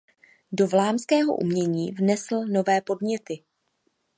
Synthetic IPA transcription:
do̞vlaːmskɛːɦo̞̰ʔṵmɲɛɲiːvnɛsl̩no̞vɛːpo̞dɲɛt̪ɪ

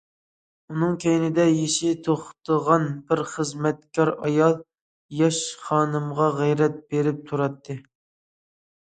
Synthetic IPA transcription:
unɨŋkʲʰejnɪd̪ɛjeʃɪt̪ʰoχt̪ʰəʁɑnbɪɾχəzmɛt̪kʲʰɑɾɑjɑlˠ | jɑʃχɑːnɨmʁɑʁɛjɾɛt̪̚beɾɪp̚t̪ʰuɾɑt̪ʰːɨ

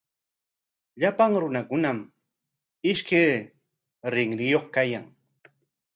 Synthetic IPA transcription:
ʎapaŋɾʊnakʊnam | ɪʃkej | ɾɪŋɾɪjoχkajaŋ

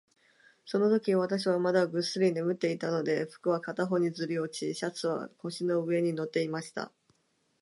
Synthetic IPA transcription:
so̞no̞t̪o̞kʲiβat̪aɕ̬iβamad̪aɡɯ̟sɨɾʲine̞mɯ̟t̪ːe̞it̪ano̞d̪e̞ɸɯ̥kɯ̟β̞akat̪aɦo̞ɲ̟id͡zɨɾʲio̞t͡ɕiɕat͡sɨβa̰ho̞ɕino̞ɯ̟e̞ɲ̟ino̞t̪ːe̞imaɕi̥t̪a̰

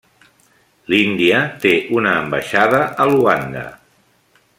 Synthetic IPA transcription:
lind̪iət̪eʔunəːmbə̰ʃaðəʔəluaŋɡə̰

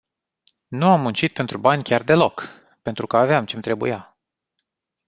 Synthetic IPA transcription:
nuamːunt͡ʃit̪̚pe̞nt̪ɾubanʲkʲard̪e̞lo̞k | pe̞nt̪ɾukəaveamt͡ʃe̞mt̪ɾe̞bṵja

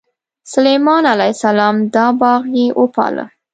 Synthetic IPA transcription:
sʊlejmɑnalajsalɑmd̪ɑbɑɣjeʔopɑ̰lə̰

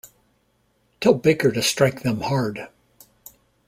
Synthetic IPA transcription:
tʰɛlˠbɪkə˞ɾɨstɹ̥aɪk̚ðɨ̃mhɑɹd̥

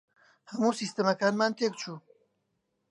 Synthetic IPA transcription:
hɐmuːsiːst̪əmɐkaːnmaːnt̪ʰeːk̚t͡ʃʰuː

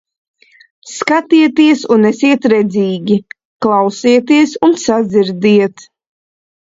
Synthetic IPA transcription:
skat̪iɛt̪iɛsunɛsiɛt̪ɾɛd̪ziːɡʲi | klˠawsiɛt̪iɛsunsad̪ziɾd̪iɛt̪

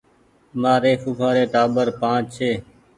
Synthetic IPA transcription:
maːɾeːfuːkʰaːɾeːʈaːbəɾpãːt͡ʃt͡ʃʰeː

